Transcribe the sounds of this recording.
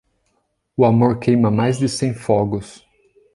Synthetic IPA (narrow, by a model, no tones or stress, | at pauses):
ʊamoɾkʰejmɐmajzd̪ɪsẽj̃fɔɡʊs